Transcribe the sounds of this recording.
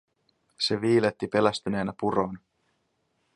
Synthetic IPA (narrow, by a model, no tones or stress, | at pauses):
se̞ʋiːlet̪ːipe̞læst̪yne̞ːnæpuro̞ːn